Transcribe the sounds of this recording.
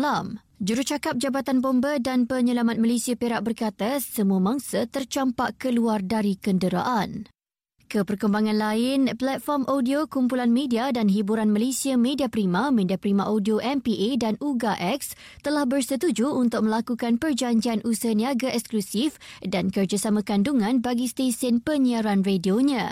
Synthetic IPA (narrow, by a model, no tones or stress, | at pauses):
lam | d͡ʒuɾuht͡ʃakap̚d͡ʒabat̪anbɔmbədanpəɲəlamat̪̚malesiapeɾaʔ̚bərkat̪asəmũamãŋsət̪ərt͡ʃampaʔkəluardaɾikəndəɾa̰ʔan | kəpərkəmbaŋãnlaɪnplat̪̚fɔrmʔodiokumpulanmẽdiadanɦibuɾanmalesiamẽdiapɾimãmẽdiapɾimãʔodioʔɛmpiʔedanuɡaʔɛks | t̪əlahbərsət̪ud͡ʒuːnt̪ʊk̚mə̃lakukanpərd͡ʒaɲd͡ʒianʔusniaɡaʔɛksklusifdankərd͡ʒasamãkanduŋãnbaɡist̪esənpəniaɾanredioɲã